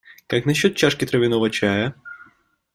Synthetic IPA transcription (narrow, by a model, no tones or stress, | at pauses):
kaknɐɕːɔt̪̚t͡ɕaʂkʲɪt̪ɾɐvʲɪnɔvɐt͡ɕajɐ